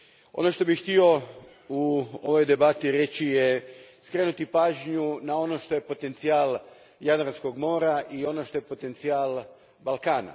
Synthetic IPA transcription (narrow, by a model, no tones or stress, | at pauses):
o̞̰no̞ʃt̪o̞bixxt̪io̞ | uoʋo̞jd̪e̞bat̪iɾe̞t͡ɕijeskɾenut̪ipaːʒɲunao̞no̞ʃt̪o̞je̞po̞t̪e̞nt̪siaːl | jad̪ɾansko̞ɡmo̞ːɾaʔio̞no̞ʃt̪o̞jepo̞t̪e̞nt̪siaːlˠ | balˠkaːna̰